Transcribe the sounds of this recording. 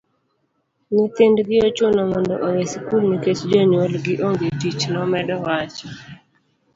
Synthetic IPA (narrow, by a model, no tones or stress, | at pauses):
ɲɪt̪ɪndɡɪot͡ʃʊnɔmɔndɔ̰ʔowesikulniket͡ʃd͡ʒoɲwolɡɪʔoŋɡetit͡ʃnɔmɛdɔwat͡ʃɔ̥